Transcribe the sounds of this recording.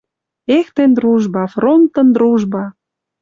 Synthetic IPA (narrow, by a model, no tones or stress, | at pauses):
ext̪end̪ɾuʒbɑfront̪ə̆nd̪ɾuʒbɑ